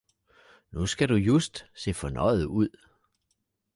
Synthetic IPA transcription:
nusɡ̥æɾ̥ujusd̥se̝̰ːfɒ̽nɒ̽ɪð̩ˠuð̞̰ˠ

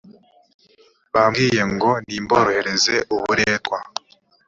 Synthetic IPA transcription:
βamɡiːje̞ŋɡo̞niːmboɾohe̞ɾe̞ze̞ʔuβuɾeːtwa

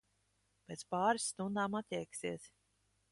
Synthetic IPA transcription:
pʲeːt̪spaːɾisːt̪und̪aːmat̪ʲɛjksiɛs

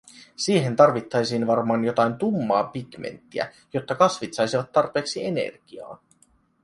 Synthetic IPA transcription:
siːɦe̞nt̪ɑrʋit̪ːɑjsiːnʋɑrmɑːnjo̞t̪ɑjnt̪umːɑːpiɡmḛnt̪ːiæ̰ | jo̞t̪ːɑkɑsʋit̪sɑjsiʋɑt̪ːɑrpe̞ːksie̞ne̞̰rɡ̥iɑ̰ːn

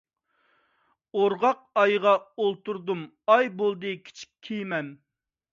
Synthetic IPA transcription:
oɾʁɑq̚ɑjʁɑolˠt̪uɾd̪um | ɑjbolˠd̪ɨkʲʰi̥t͡ʃʰi̥kʲʰijmɛn

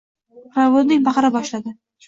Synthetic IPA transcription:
ɾavolnɪŋʲbɑqɑɾabɒʃlad̪ɪ

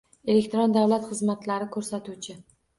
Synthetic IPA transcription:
e̞lekʲt̪ɾɒnd̪awlat̪χɨzmat̪laɾɪkʰɵɾsat̪ut͡ʃʰɪ

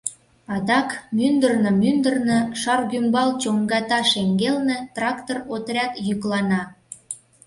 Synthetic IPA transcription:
ɑd̪ɑkmynd̪ərnəmynd̪ərnɤʃɑrɡymbɑlt͡ɕoŋɡɑt̪ɑʃeŋɡelnĕt̪rɑkt̪orot̪rʲɑt̪jyklɑnɑ

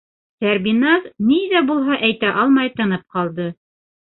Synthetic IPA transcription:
t̪æɾbinazniðæbulˠɦɑʔæjt̪æʔɑlˠmɑjt̪ɤ̆nɤp̚qɑlˠd̪ɤ

